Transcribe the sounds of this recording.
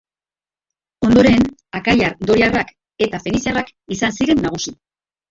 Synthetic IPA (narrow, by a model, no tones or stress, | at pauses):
o̞nd̪o̞ɾe̞nakajaɾd̪o̞ɾiarak | e̞t̪afe̞nisiarak | isansiɾe̞nːaɣ̞usi